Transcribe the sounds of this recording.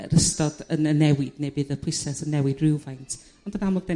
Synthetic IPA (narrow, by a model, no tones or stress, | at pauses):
rəstɔdənənɛwɪd̥nejbɨðəpʰʊsɛsənːɛwɨdruwvajntʰ | ɔndənamlɔdɛ